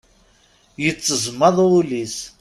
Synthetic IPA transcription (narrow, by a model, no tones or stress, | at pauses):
jət͡sːəzmːɑðˤulis